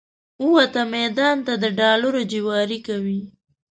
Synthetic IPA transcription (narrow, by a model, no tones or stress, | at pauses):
uwat̪amɛd̪ɑnt̪ad̪əɖɑlaɾod͡ʒiwɑɾikawi